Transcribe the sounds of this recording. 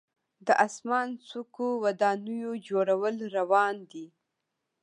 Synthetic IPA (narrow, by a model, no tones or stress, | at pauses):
d̪əʔasmɑnsukowad̪ɑnujod͡ʒoɽawəlɾawɑnd̪i